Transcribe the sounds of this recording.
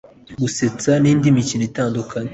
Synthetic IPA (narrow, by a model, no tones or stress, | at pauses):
ɡuse̞t͡saniːndimicinitaːndukʰaɲe